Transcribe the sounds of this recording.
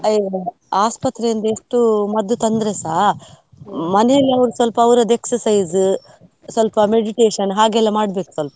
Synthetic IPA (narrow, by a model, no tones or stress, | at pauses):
ɐ | aːspɐt̪ɾejind̪ɐeʂʈumɐd̪ːut̪ɐnd̪ɾesaː | mɐnɛjɐlːiɐʋɾusʋɐlpɐɐʋɾɐd̪eksɐɾsɐjz | sʋɐlpɐme̞ɖiʈeːʂɐnɦaːɡɛlːɐmaːɽbe̞ːku̥sɐlpɐ